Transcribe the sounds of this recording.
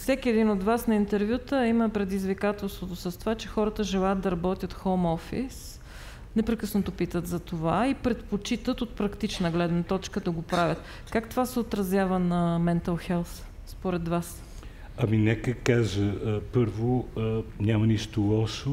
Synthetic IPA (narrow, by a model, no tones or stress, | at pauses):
fsɛkʲiɛd̪inod̪vasnɐint̪ɛɾvjut̪əiməpɾɛd̪izvikat̪ɛlˠst̪vot̪osəst̪ovat͡ʃɛxɔɾət̪əʒɛlˠajət̪̚d̪ɐɾɐbɔt̪ʲjət̪xomɔfḭs | nɛpɾɛkɤsnot̪opit̪ət̪zɐt̪ovaipɾɛt̪pot͡ʃit̪ət̪ot̪̚pɾɐkt̪it͡ʃnəɡlɛd̪nət̪ɔt͡ʃkəd̪ɐɡopɾavʲjət̪ | kakt̪ovasɛot̪ɾɐzjavənɐmɛnt̪ɐlˠxɛlˠs | spoɾɛd̪vas | ɐminɛkəkaʒəpɤɾvonʲjamɐniʃt̪ʊlˠɔʃo